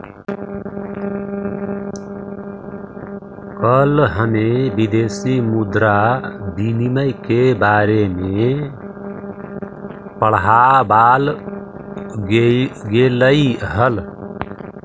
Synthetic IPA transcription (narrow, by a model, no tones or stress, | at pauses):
kəlɦəmebid̪esimud̪ɾab̪iniməjkebaɾeme | pəɭɦabal | ɡeləjɦəl